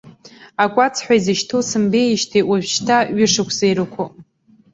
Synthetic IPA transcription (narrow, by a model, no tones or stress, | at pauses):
akʷʼat͡sʰħʷᶣaizɨʃtʰosɨmbejʃtʰewaʒᶣʃtʰaɥɪʂɨkʷʰzejɾɨkʷʰʊ